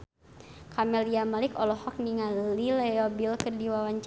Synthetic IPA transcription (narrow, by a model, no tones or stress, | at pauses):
kʰamɛliamalɪkɔlɔhɔk̚niŋallilɛɔbilkɨrdiwawaɲt͡ʃ